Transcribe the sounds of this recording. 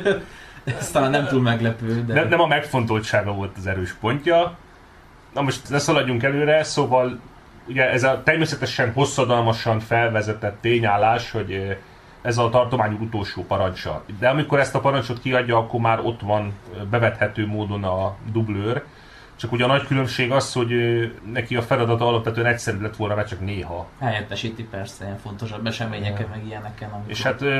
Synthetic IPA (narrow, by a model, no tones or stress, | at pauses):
st̪aːlanɛmt̪uːlmɛɡlɛpøːd̪nɛnɛmɒmɛkfo̞nt̪o̞lʃaːɡɒvo̞lt̪ɒzɛɾøːʃpo̞ɲcɒ | nɒmo̞ʃt̪nɛsɒlɒɟːuŋkɛløːɾɛsoːvɒl | uɟɛɛzɒt̪ɛrmeːsɛt̪ɛʃɛnho̞sːɒd̪ɒlmɒʃɒɱfɛlvɛzɛt̪ɛt̪ːeːɲaːlːaːʃho̞ɟ | ɛzɒt̪ɒrt̪omaːɲukut̪o̞lʃoːpɒɾɒnt͡ʃɒ̰d̪ɛɒmiko̞ɾɛst̪ɒpɒɾɒɲt͡ʃo̞t̪kiɒɟːɒɒkːo̞rmaːɾo̞t̪ʋɒnbɛvɛt̪hɛt̪øːmoːd̪o̞nɒd̪ubløːr | t͡ʃɒkuɟɛɒnɒckylø̞mʃeːɡɒsho̞ɟønɛkiɒfɛlɒd̪ɒt̪ɒɒlɒpʋɛt̪øɛnɛcʲsɛɾylɛt̪ːʋo̞lnɒmɛt͡ʃɒkneːɦɒhɛjɛt̪ːɛʃiːt̪ipɛrsɛiɛɱfo̞nt̪o̞ʃɒbːɛʃɛmeːɲɛkɛmɛɡijɛnɛkɛnɒmiḛːʃhaːt̪